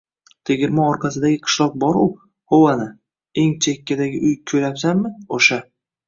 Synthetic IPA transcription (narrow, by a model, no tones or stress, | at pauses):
t̪ʰeɡʲɪɾmɒɒɾqʰɑsɪd̪aɡʲɪqʰɨ̥ʃlˠɒq̚bɒɾʊ | howanɪ | e̞ŋt͡ʃʰekʲːad̪aɡʲɪʔʊjkʲʰɵjapsamːɪoʃa